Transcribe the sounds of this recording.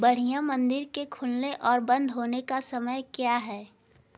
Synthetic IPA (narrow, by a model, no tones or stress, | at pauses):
bɐɽ̤ijãmɐ̃nd̪ɪɾkekʰʊlneʔɔːɾbɐ̃nd̪ʱɦoːnekasɐməjkjaːɦɛː